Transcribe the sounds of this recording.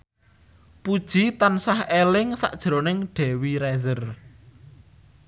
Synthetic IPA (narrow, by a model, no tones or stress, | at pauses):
pud̥ʒ̥i̤t̪ansahelɪŋsa̰ʔd̥ʒ̥ɾonɪŋɖ̥ɛ̤wiɾɛzər